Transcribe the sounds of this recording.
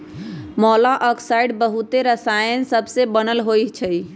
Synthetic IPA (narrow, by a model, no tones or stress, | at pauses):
mɔlaʔɔksaiɖbəɦut̪eɾəsajənsəbsebənəlɦojt͡ʃʰəj